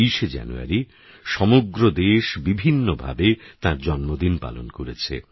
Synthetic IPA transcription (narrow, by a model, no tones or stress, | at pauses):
iʃed͡ʑa̰nṵa̰ɾi | ʃɔmoɡɾod̪eʃbibʱinːobʱa̰bet̪ãɾd͡ʑɔnmod̪inpa̰lo̰nkoɾet͡ɕʰḛ